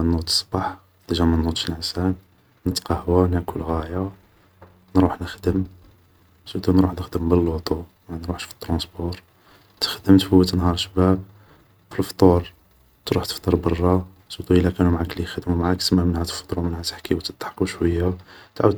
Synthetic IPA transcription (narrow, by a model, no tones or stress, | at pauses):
nːut̪ə̥sˤbɑħ | d̪əʒæmənːut̪ʃənʕsæn | nət̪qɑhwænækʰulɣæja | nɾuħnəxd̪əm | səd̪unɾuħd̪əxd̪əmbəlːut̪ˤu | mænɾuħʃfi̥t̪ːɾɑ̃sbuɾ | t̪ə̥xd̪əmt̪fəwːət̪nhɑɾˤʃəbæb̚ | filft̪ˤuɾ | t̪ɾuħt̪ə̥ft̪ˤɑɾˤbɑrˤːɑ | səd̪uʔəlːækænumʕaklijxəd̪mumʕaksəmːæmənhæt̪ə̥ft̪ˤɾumənhæt̪ə̥ħkiwt̪ət̪ːħqːuʃwəjːat̪ʕwəd̪